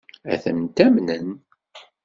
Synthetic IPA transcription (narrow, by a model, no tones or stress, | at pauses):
æ̰θənt̪æmnən